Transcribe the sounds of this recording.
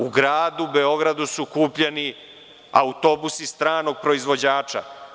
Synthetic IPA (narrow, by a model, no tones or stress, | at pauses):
uɡɾaːd̪ubeo̞ɡɾad̪usukuːpʎeni | a̰ut̪o̞busist̪ɾaːno̞ɡ̚pɾo̞izʋo̞d͡ʑaːt͡ʃa̰